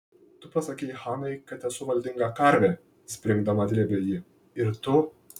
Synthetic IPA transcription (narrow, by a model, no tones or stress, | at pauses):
t̪ʊpɐsɐkʲɛɪjxɑːnɐɪkɐt̪ʲɛsʊʋɐlʲd̪ʲɪŋɡɐkɐɾʲʋʲɛ | sʲpʲɾʲɪŋɡd̪ɐmɐd̪ʲlʲɛbʲɛjɪ | ɪɾt̪ʊ